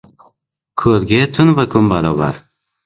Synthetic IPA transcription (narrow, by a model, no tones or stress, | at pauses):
kʰɵɾɡʲɪt̪ʰʊnvakʰʊmbaɾɒba̰ɾ